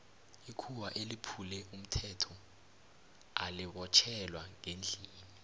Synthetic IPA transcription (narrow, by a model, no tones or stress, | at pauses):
ikʰuwaʔelipʰulɛum̩tʰɛtʰɔ | aliɓɔt͡ʃʰɛlwaŋend͡ɮʱiːni